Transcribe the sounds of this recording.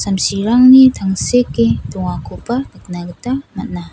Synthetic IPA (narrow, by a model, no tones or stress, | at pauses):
samsiɾaŋnit̪ʰaŋseket̪uŋakʰupad̪aknakət̪amana